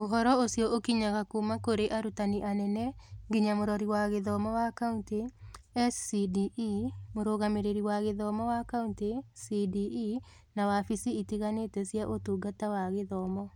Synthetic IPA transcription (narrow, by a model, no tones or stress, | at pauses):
oɦɔɾɔosiɔokiɲaɣakumakoɾeʔaɾutaniʔanɛnɛɡiɲamoɾɔɾiwaɣeðɔmɔwakaunteɛssidimoɾoɣameɾeɾiwaɣeðɔmɔwakauntesidii | nawafisiitiɣanetɛsijaʔotuːɡatawaɣeðɔmɔ